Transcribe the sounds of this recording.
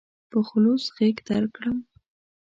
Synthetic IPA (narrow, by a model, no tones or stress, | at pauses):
pəxʊlusɣekd̪aɾkɽəm